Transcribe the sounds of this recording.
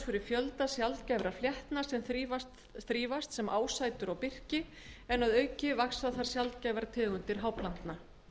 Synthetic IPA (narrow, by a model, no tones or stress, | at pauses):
fɪɾɪɾ̥fjœlt̪asjalt̪cajvɾaɾfljɛht̪nasɛmθɾivat̪ | θɾiːvast̪sɛmʔaːwsaːjt̪ʏɾawpɪr̥cɪ | ɛnaðœːɥcɪvaksaðθaɾ̥sjalt̪̚caːjvɾat̪ʰɛːɣʏnt̪ɪɾ̥ɦaːwplan̥t̪na